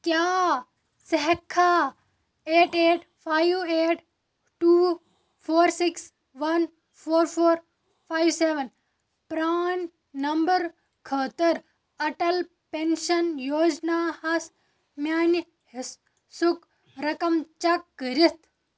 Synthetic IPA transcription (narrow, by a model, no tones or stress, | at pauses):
kjaː | sɐɦkʰaː | eːʈeːʈ | fʰajʋeːʈ | ʈuː | fʰoːɾsiks | ʋɐn | pʰoːɾfʰoːɾ | fʰaːjʋseːʋɐn | pɾaːnː | ɐmbɐɾ | kʰəːt̪ɐɾ | ɐʈɐl | penʃɐnjoːd͡ʒnaːhɐs | mʲaːn | his | suk | ɾɐkɐmt͡ʃɐkːəɾit̪